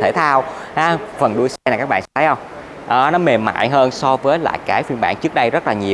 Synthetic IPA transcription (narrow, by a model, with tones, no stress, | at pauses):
t̪ʰe˧˩t̪ʰaː˧w | haː˨˦fə˨˩nɗu˧əjsɛ˧˨˩kaː˦˥k̚ɓa̰ː˧˨sɛ˧˥ə˨˦jhə˧wŋ͡m | ʔəː˨˩nɔ˨˦me˨˩ma̰ː˧˨jɦəː˧nsɔ˧vəː˨˦jla̰ː˧˨jkaː˨˦jfi˧ənɓa̰ː˧˨nt͡ɕɨ˦˥ək̚ɗə˧jzə˦˥t̚laː˨˩ɲi˨˩ə